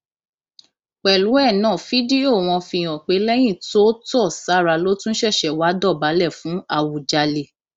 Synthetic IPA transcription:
k͡pɛ˨lu˨˦ɛ˦˨nãː˨˦˨fi˦di˦o˦˨w̃ɔ̃˧fĩ˧j̃ɔ̃˨k͡pe˨˦lɛ˦j̃ĩ˦˨to˦tɔ˦˨sa˨˦˨ɾa˧lo˦tũ˦ʃɛ˦˨ʃɛ˨wa˨˦dɔ˦˨ba˨˦lɛ˦˨fũ˨˦a˦˨wu˨d͡ʒa˧le˧

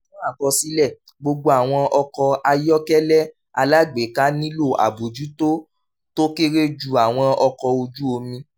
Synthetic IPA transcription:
ɔ̃˦a˦˨kɔ˧si˦lɛ˦˨ | ɡ͡bo˧ɡ͡bo˧a˨w̃ɔ̃˧ʔɔ˧kɔ˧a˧jɔ˦kɛ˦lɛ˦ | a˧la˦ɡ͡be˨˦ka˦nĩ˦lo˦˨ʔa̰˨bo˨d͡ʒu˨˦to˦ | to˦ke˦ɾe˦d͡ʒu˨a˨w̃ɔ̃˧ɔ˧kɔ˧o˧d͡ʒu˦o˧mĩ˧

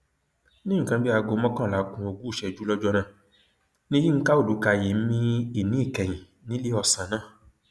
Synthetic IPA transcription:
nĩ˦ŋ̩̃˨kã˧˦bi˦a˧ɡo˧˦mɔ̃˦kã˦˨la˨˦kũ˧o˧ɡu˦˨ʃɛ˧˨d͡ʒu˦lɔ˦d͡ʒɔ˦nã˦˨ | nĩ˦ji˦ŋ̩˦ka˦o˦˨du˨˦ka˧˨je˨˦m̩˦mĩ˦i˦˨nĩ˦i˦˨kɛ˨j̃ĩ˨ | nĩ˨˦le˦ɔ˧˨sã˨˦nãː˦˨

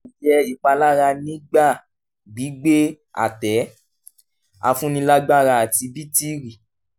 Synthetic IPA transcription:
d͡ʒɛ˧i˨k͡pa˧la˦ɾa˧nĩ˦ɡ͡ba˦˨ | ɡ͡bi˨˦ɡ͡be˦ | a̰˨tɛ˨˦ | a̰˧fũ˦nĩ˧la˦ɡ͡ba˦ɾa˧a˨ti˧bi˦ti˦ɾi˨

